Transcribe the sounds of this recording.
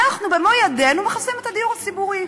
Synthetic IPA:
aχnubemojade̞numeχasimet̪ad̪ijuʁat͡sibuʁi

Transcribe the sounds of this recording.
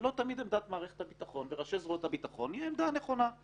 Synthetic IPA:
lo̞t̪amid̪emd̪at̪maːʁeχet̪habit̪aχo̞nveʁaʃezʁuet̪habit̪aχo̞nijɛemd̪aneχo̞na

